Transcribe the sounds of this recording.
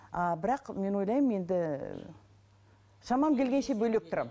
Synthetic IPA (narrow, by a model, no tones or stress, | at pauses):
ɑbɪɾɑqme̞nwo̞jlˠɑjmje̞nd̪ɪ | ʃɑmɑmkʲʰe̞lɡʲenʃe̞bɵlek̚t̪ʰʊɾɑ̰m